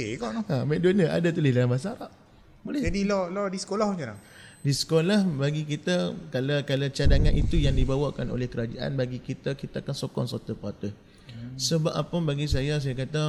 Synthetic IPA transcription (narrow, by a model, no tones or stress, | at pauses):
eɡɔʔnɔhamɛʔ̚donaʔa̰dat̪ulɪdaɾambas̬aɾaʔ | bolɛd͡ʒadilɔlɔdisə̥kolahɲəlah | disə̥kolahbaɡik̬it̪akalakalat͡ʃadaŋanit̪ujaŋdibawakano̰lɛhkəɾad͡ʒaʔa̰nbaɡikit̪akit̪aakansokɔ̰ŋsot̪əpat̪ə | səbapʔapəbaɡisajas̬ajakat̪a